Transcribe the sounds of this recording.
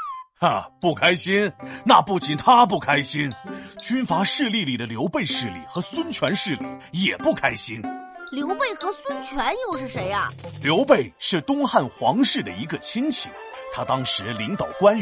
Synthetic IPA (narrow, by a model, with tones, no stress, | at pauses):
ə˧pu˥˩kʰa˥ɪɕi˥nna˥˧pu˥˩t͡ɕi˨˩nt̪ʰa˥p̬u˥˩kʰa˥ɪɕi˥nt͡ɕy˥nfa˧˥ʂɻ̩˥˧li˥˩li˨˩d̪ə˩ljo˧˥ʊpe˥˧ɪʂɻ̩˥˧lḭ˥˩xɤ˧˥swə˥nt͡ɕʰɥɛ˧˥nʂɻ̩˥˧lḭ˥˩jɛ˨˩pu˥˩kʰa˥ɪɕi˥nljo˧˥ʊpe˥˩ɪxɤ˧˥swə˥nt͡ɕʰɥɛ˧˥njo˥˧ʊʂɻ̩˥˩ʂe˧˥ɪɐ˧ljo˧˥ʊpe˥˧ɪʂɻ̩˥˩t̪ʊ˥ŋxa˥˩nxwɑ˧˥ŋʂɻ̩˥˩d̪ə̰˩i˧˥ɡə˧t͡ɕʰi˥nt͡ɕʰḭ˨˩˦t̪ʰa˥t̪ɑ˥ŋʂɻ̩˧˥li˧˥ŋt̪ɑ˨˩ʊkwa˥n